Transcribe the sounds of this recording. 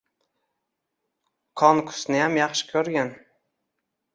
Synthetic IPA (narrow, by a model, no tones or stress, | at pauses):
kʰɒnkʰʊ̥snɪjamjɑχʃɪ̥kʲʰɵɾɡʲan